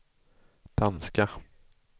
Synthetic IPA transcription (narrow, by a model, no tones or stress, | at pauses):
d̪̥anska